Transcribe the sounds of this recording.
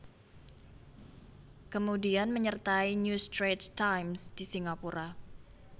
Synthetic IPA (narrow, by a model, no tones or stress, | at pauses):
kəmudianməɲərt̪ainjust̪ɾettajmsd̥isiŋapuɾʔa